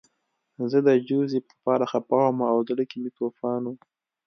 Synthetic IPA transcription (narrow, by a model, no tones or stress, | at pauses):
zəd̪əd͡ʒuzipəpɑːɾaxapɑwamaːwd̪əɽəkimit̪oːfɑːnu